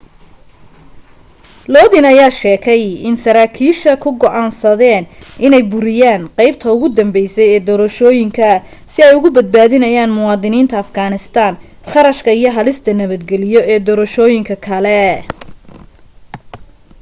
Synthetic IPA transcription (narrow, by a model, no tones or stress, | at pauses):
lɔːðɪnɐjaːʃɛːkʰɛjɪnsɐɾaːkʰiːʃɐkʰʊɡɔʔaːnsɐðɛːnʔɪnɛjbʊɾɪjaːnqɛjb̚t̪ʰɐʊɣʊd̪ɐmbɛjsɛjɛːd̪ɔːɾɐʃɔːjɪŋkʰɐ | sɪɛjʊɣʊbɐd̪̚baːðɪnɐjaːnmʊwɑːðɪniːnt̪ʰɐːfɡaːnɪst̪ʰaːn | χɑɾɐʃkʰɐijɞɦɐlɪst̪ʰɐnɐβɐd̪ɡɛlɪjɔʔɛːd̪ɔːɾɐʃɔːjɪŋkʰɐkʰɐlɛ